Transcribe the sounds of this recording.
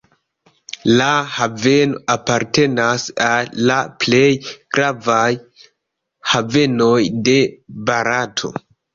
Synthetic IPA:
lahave̞no̞apaɾte̞nasaːaple̞jɡ̥ɾavaj | have̞no̞jde̞baɾatʰo̞̰

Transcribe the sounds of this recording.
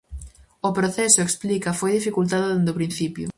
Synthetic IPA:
opɾoθɛsʊeksplikɐfojðifikult̪aðʊðend̪opɾĩn̟θipjʊ̰

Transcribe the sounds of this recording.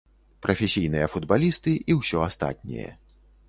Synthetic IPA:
pɾʔɐfʲesʲijnɨjɐfud̪balʲist̪ɨʔiwsʲɔast̪a̰t̪̚ʲnʲɛ̰jɐ̰

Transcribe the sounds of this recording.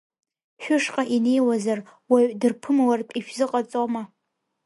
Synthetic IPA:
ʃᶣʊʂqʼaʔine̞jwazarwadɨrpʰɨmawarpʼiʃᶣzɨqʼat͡sʼoma

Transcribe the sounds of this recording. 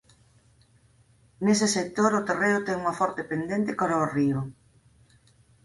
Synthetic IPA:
nesɪsek̚t̪oɾot̪ereʊt̪ɛŋuŋɐfɔɾt̪epend̪ent̪ɪkaɾaoriʊ

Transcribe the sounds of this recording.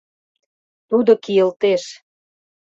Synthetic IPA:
t̪ud̪okijəlt̪eʃ

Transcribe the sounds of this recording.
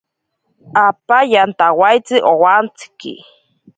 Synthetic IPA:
apajant̪awajt͡siʔowant͡si̥kḭ

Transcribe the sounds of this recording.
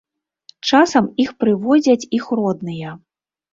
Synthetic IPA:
t͡ʂasɐmixpɾɨvɔd͡zʲɐt͡sʲixrɔd̪nɨjɐ

